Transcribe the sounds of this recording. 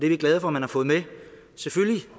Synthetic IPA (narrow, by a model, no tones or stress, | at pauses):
d̥eɐʋiɡ̥lɛð̞ˠəfɒmænhɑ̈fɔ̽ːð̩ˠme | sefølli